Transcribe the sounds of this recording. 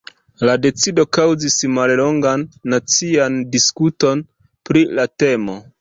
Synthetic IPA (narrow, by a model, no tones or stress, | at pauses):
lade̞t͡sido̞kawzismallo̞ŋɡanːat͡siandiskuto̞n | pɾilate̞mo̞